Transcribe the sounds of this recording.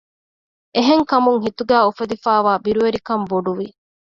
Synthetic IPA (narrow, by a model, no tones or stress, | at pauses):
eɦeŋkɐmuŋɦit̪uɡæːufɐd̪ifæːʋaːbiɾuʋeɾikɐmboɖuʋi